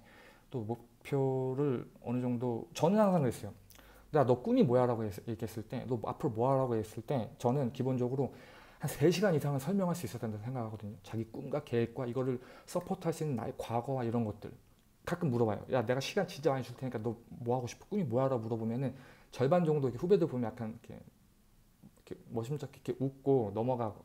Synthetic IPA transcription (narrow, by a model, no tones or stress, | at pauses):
t͈omopʰjoɾɯɾʌ̰nɯd͡ʑʌŋdot͡ɕʌnɯnhʰaŋsʰaŋɯɾɦes͈ʌjo | neɡanʌk͈umimojaɾaɡoejeɡiɦe̞s͈ɯɭt͈e̞nʌa̰pʰɯɾomoɦaɾaɡojes͈ɯɭt͈e̞t͡ɕʌnɯnkibond͡ʑʌɡɯɾo | hansʰe̞ɕʰiɡaɲisʰaŋɯɭsʰʌɭmjʌŋɦaɭs͈uis͈ʌt͈endannsʰe̞ŋɡakhaɡʌdɯɲot͡ɕaɡik͈umɡwake̞wek̚k͈waiɡʌɾɯɭs͈ʌpʰotʰaɭs͈uinːɯnːa̰ekwaɡʌwaiɾʌnɡʌt̚t͈ɯ̰ɭ | kak͈ɯmːuɾʌbajo̰jʔane̞ɡaɕʰiɡant͡ɕint͡ɕ͈amaɲit͡ɕuɭtʰeɲik͈anʌmoɦaɡoɕʰi̥pʰo̥k͈umimojaɾaɡomuɾʌbomjʌnɯnt͡ɕʌɭband͡ʑʌŋdoikʰeɸube̞dɯɭbomjʌjakʰanikʰe̞̰ | ikʰemʌɕʰimt͡ɕ͈akʰkʰeʔuk̚k͈onʌmʌɡaɡo̰